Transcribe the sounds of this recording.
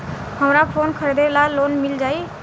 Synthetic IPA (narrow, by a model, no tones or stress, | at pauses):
ɦəmɾapʰoːnkʰəɾed̪elaloːnmɪld͡ʒaːi